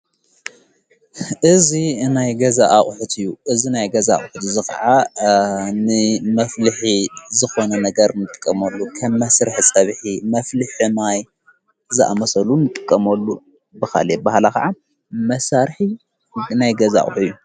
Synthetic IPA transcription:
ʔɨzinajɡɐzaʔaχʼħut̪ʰɨjːuʔɨzinajɡɐza̰χʼʊħut̪zɨxɐ̰ʕa | nɨmɐflɨħizɨxo̞nɐnɐɡɐɾnɨt̪ʼɨ̥kʼːɐmɐlːukʰɐmːɐsɾɨħt͡sʼɐβħimɐflɨħɨmaj | zɨʔa̰mɐsɐlunɨt̪ʼɨkʼːɐmɐlːu | bɨxa̰lebahalakɐʕa | mɐsaɾħi | najɡɐza̰χʼʊ̰ħɨjːu

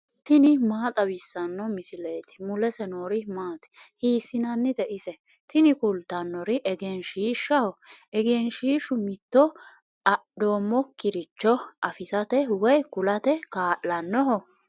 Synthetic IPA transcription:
t̪ɪnɪmaːt̪ʼɐbɪsːɐnːɔmɪsɪleːt̪ɪ̥mʊlɛsɛnoːɾɪmaːt̪ɛ̥hiːsɪnɐnːɪd̪ɛʔɪsɛ | t̪ɪnɪkʊlt̪ːɐnːɔɾɪʔɛɡenʃiːʃːɐhɔʔɛɡenʃiːʃʊmɪt̪ːɔ | ɐɗoːmːɔkɪɾɪt͡ʃːɔʔɐfɪsɐt̪ɛwɔjkʊlɐt̪ɛkaːʔːɐnːɔɦɔ

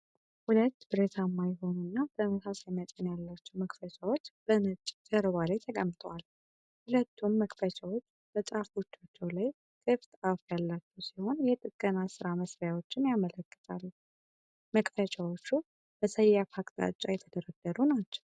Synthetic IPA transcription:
hulət̪ːb̥ɨɾet̪ʰamːajɛɦo̞nunːab̥əməsasajɛmət̪ʼənjalːat͡ʃːɛwməkʼfət͡ʃʰʼawot͡ʃːb̥ənɨt͡ʃʼd͡ʒəɾɨβalet̪ʰəkʼəmt̪ʼəwal | hulət̪ʰːumːəkʼfət͡ʃʰʼawot͡ʃː | b̥ət͡ʃʼafo̞t͡ʃːat͡ʃːɛwlaj | kʼɨft̪ʼafjalːat͡ʃːɛwsiho̞njɛt̪ʼɨkʼːənasɨɾaməsɾjawot͡ʃːɪnjamələkʼːə̥t̪ʼalː | məkʼfət͡ʃʰawot͡ʃːu | b̥əsəjːafʰakʼt̪ʼa̰t͡ʃʼːajɛt̪ʰəd̪əɾəɡ̪əɾunat͡ʃːɛw

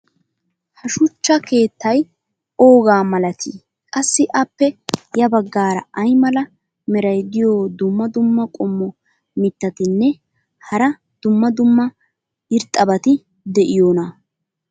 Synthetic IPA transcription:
hɐʃʊt͡ʃːɐke̞ːt̪ːɐj | o̞ːɡaːmɐlɐt̪ʰiː | kʼɐsːɪʔɐpːɛjɐbɐɡːaːɾɐ̰ʔɐjmɐlɐ | mɛɾɐjd̪ɪjoːd̪ʊmːɐd̪ʊmːɐkʼɔmːɔ | mɪt̪ːɐt̪ɪnːɛ | hɐɾɐ | d̪̥ʊmːɐd̪ʊmːɐ | ɪɾt̪ʼːɐbɐt̪ɪ | d̪ɛʔɪjoːnɐ

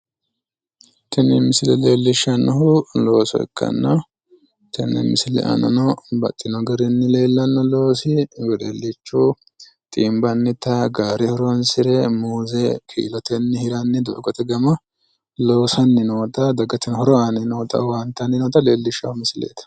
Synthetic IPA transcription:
t̪ɛnːɛmɪsɪlɛle̞ːlːɪʃːɐnːɐhʊlo̞ːsɔ̰ɛ̰kʰːɐ̰nːɔ | t̪ɛnːɛ̰mɪsɪlɛ̰ʔɐ̰nɐ̰nɔbɐ̰t̪ʼːɪnɔɡɐɾɪnːɪle̞ːlːɐnːɔlo̞ːsɪwɛlelːɪt͡ʃːu | t̪ʼiːmbɐnːɪt̪ɐɡaːɾɛhɔɾɔnsɪɾɛmuːzɛkʰḭːlɔt̪ɛnːɪhɪɾɐnːɪd̪ɔʔɡɔt̪ɛɡɐmɐ | lo̞ːsɐnːɪnoːt̪ɐd̪ɐɡɐt̪ɛnhɔɾɔɐnɪnoːt̪ɐ̰wɐnt̪ːɐnːɪnoːt̪ɐleːlːɪʃːɐhʊmɪsɪlḛːt̪ɐ̥

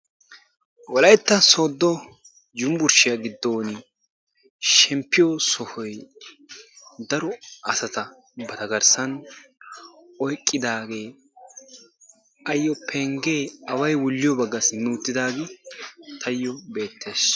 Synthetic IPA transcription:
wɔlɐjt̪ːɐsoːd̪ːɔ | d͡ʒʊmbʊɾʃɪjɐɡɪd̪ːoːnɪ | ʃɛmpːɪjɔsɔhɔj | d̪ɐɾɔɐsɐt̪ɐ | bɐd̪ɐɡɐɾsɐn | ɔjkʼːɪd̪aːɡe̞ː | ɐjːɔpʰeŋɡeːɐwɐjwʊlːɪjɔbɐɡːɐsɪnuːt̪ːɪd̪aːɡɛt̪ʰɐjːɔbe̞ːt̪ːeːs

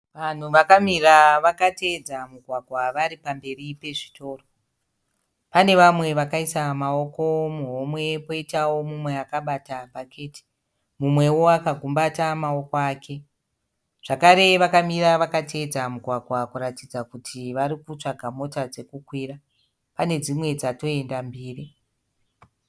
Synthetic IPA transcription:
ʋan̤uʋakamiraʋakate̞d͡zamuɡʱwaɡʱwaʋaɾipambe̞ripe̞ʐito̞ːro | pane̞ʋamwe̞ʋakaisamao̞ko̞muɦomwe̞po̞itawo̞mumwe̞akaɓatabʱakʰe̞ti̥ | mumwe̞wo̞akaɡʱumbatamao̞koaːkʰe̞ | ʐ̥akaɾe̞ʋakamiraʋakated͡zamuɡʱwaɡʱwakuɾatid͡zakutʰiʋaɾikut͡ʂaɡʱamo̞tad͡ze̞kukwiːra | pane̞d͡zimwe̞d͡zato̞e̞ndambiːri

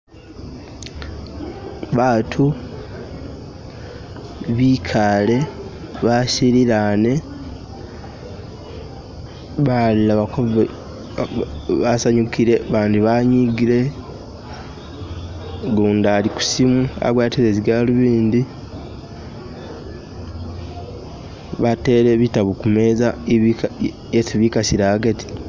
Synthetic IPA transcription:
βaːtʰu | βikʰaːle̞ | βasiɾiɾane̞ | βallaβako | βasaɲukʰiɾe̞βaːndiβaɲiɡiɾe̞ | ɡuːndaːliku̥simua̰βwaːtiɾeziɡaluβiːndi | βate̞ːɾe̞βitaβukume̞ːzai | esiβikasiɾaːɡeti̥

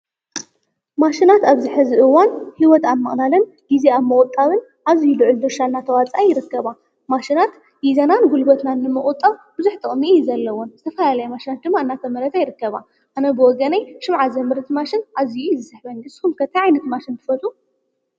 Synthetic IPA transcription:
maʃinat̪aβzɨħɨzɨʔɨwanhiwɔt̪amːɐχʼlalɐn | ɡizeamːɨχʼut̪ʼːaβɨn | ʔazijulɨʕɨlud̪ɨɾʃaɨnːat̪ʰɐwat͡sʼajɪɾɨkːɐβa | maʃinat̪ | jizɐnanɡulbɐt̪nanːɨmɨχʼʊt̪ʼːaβb̥ɨzuħt̪ʼɨχʼmiʔijzɐlːɐwonzɨt̪ʰɐfɐlalajɛmaʃinat̪̚d̪ɨmːaɨnːat̪ʰɐmɐɾɐt̪ʰajɪɾɨkːɐβa | ʔanɐbɨwɔɡɐnajʃɨmʕazɐmɨɾt̪maʃɪnʔazijujzɨsɨħbɐnɨshumkʰɐt̪ʰːɐjʕajnɐt̪maʃɪnt̪ʰɨ̥fɐt͡s̪ʼu

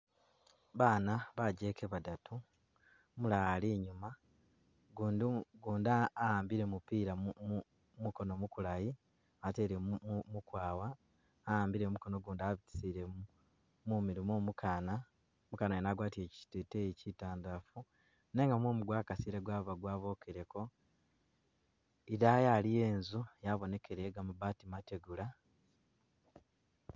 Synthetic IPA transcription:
βaːnaβaɟe̞ːkeβadatʰu | mulaliːɲuma | ɡundɡuːndaːaːmbiɾe̞mupiːɾa | muko̞no̞mukulaji | ate̞ːɾemukwaːwaː | aːmbiɾe̞muko̞noɡuːndaβiti̥siɾe | mumiɾimoːmukʰaːna | mukaːnajenaɡwaːtieci̥tetejecitaːndafu | ne̞ːŋɡamwoːmuɡwaːkasiːɾeɡwaːβaɡwaːβo̞ːkʰeɾe̞ko̞ | iɾajalije̞ːnzujaβo̞ne̞kʰe̞ɾeɡamuβaːtimate̞ɡula

